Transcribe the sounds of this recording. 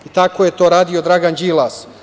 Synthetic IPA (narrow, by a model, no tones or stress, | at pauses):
it̪ako̞jet̪o̞ːɾaːd̪io̞d̪ɾaɡand͡ʒiːlˠas